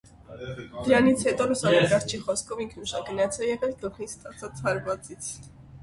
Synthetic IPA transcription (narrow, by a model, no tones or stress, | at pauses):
d̪əɾɑnit͡sʰhɛt̪ɔlusɑnɛɾɡɑɾt͡ʃʰiχɔskʰɔviŋkʰnuʃɑɡənɑt͡sʰɛjɛʁɛld̪əʁnist̪ʼɑt͡sʰɑt͡shɑɾvɑt͡sit͡sʰ